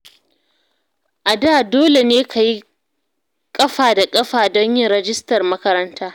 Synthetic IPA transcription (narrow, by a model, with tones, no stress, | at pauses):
ʔa˨daː˦˨doː˦le˨neː˦kʰa˨ji˦ | kʼɐ˦ɸaː˨da˨kʼɐ˦ɸaː˨dɔ˦ɲjɪ˦ŋɾɛ˨d͡ʒɪ˦stɐ˨rmɐ˦kɐ˦ɾɐ˦ntaː˦